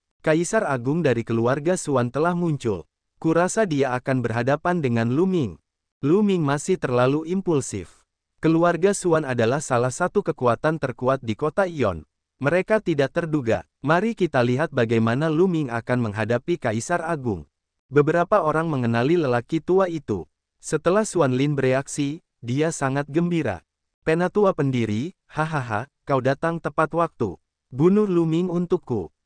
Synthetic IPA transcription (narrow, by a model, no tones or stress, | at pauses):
kaisaraɡʊŋdaɾikəluarɡasuant̪əlahmuɲt͡ʃʊ̰l | kuɾasadiaːkanbərɦadapandəŋanlumɪŋ | lumɪŋmasɪht̪ərlaluʔimpulsɪ̰f | kəluarɡasuanadalahsalahsat̪ukəkuat̪ant̪ərkuat̪̚dikot̪aiɔ̰n | məɾekat̪idak̚t̪ərduɡa̰ | maɾikit̪aliɦat̪̚baɡajmanalumɪŋa̰kanməŋɦadapikaisaraɡʊ̰ŋ | bəbəɾapaoɾaŋməŋənaliləlakit̪uait̪ṵ | sət̪əlahsuanlɪnbəɾeaksi | diasaŋat̪̚ɡəmbiɾa̰ | penat̪uapəndiɾi | haɦaɦakawdat̪aŋt̪əpat̪wak̚t̪ṵ | bunʊhlumɪŋunt̪ukːṵ